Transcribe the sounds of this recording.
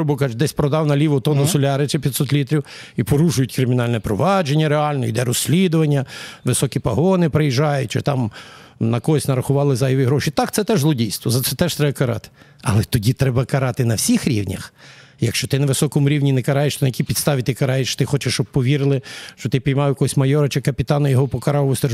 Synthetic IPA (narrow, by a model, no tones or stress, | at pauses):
bʊkɑt͡ʃd̪ɛsʲpɾɔd̪ɑwnɐlʲiʋʊt̪ɔnɔsɔlʲɑɾɪt͡ʃɛpʲid̪sɔt̪lʲit̪ɾʲiw | ipɔɾuʒʊjʊtʲkɾɪmʲɪnɑlʲnɛpɾɔʋɑd͡ʒenʲːɐɾeɑlʲnɔḭd̪ɛɾɔsʲːlʲid̪ʊʋɐnʲːɐʋɪsɔkʲipɐɦɔnɪpɾejiʒɑjʊt̚ʲt͡ʃɛt̪ɑmnɐkɔsʲnɐɾɐxʊʋɑlˠɪzɑjɔʋʲiɦɾɔʃit̪ɑkt̪sɛt̪ɛʒzlˠɔdʲijst̪ʋɔzɐt̪sɛt̪ɛʃt̪ɾɛbɐkɐɾɑ̰t̪ɪ̥ | ɐ̰lˠɛt̪ɔdʲit̪ɾɛbɐkɐɾɑt̪ɪnɐwsʲixɾʲḭwnʲɐ̰xjɐkʃt͡ʃɔt̪ɪnɐʋɪsɔkɔmʊɾʲiwnʲinɛkɐɾɑjeʃt̪ɔnɐjɐkʲipʲid̪st̪ɑʋʲit̪ɪkɐɾɑjeʃt͡ʃt̪ɪxɔt͡ʃeʃt͡ʃɔb̚pɔʋʲiɾɪlˠɪʃt͡ʃɔt̪ɪpʲijmɑjʊjɐkɔɦɔsʲmɐjɔɾɐt͡ʃɪkɐpʲit̪ɑnɐjɔɦɔpɔkɐɾɑʋɔst̪ɛr